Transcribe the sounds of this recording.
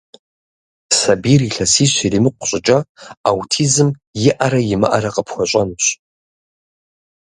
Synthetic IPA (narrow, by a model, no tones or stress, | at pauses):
sabiriɬasiɕʷirimɨqʷʰɕʷʼɪʈ͡ʂʼaawtʰizɨmjɪʔaɾajimɨ̰ʔaɾaqʼəpʰxʷat͡ʃʷʼanɕʷ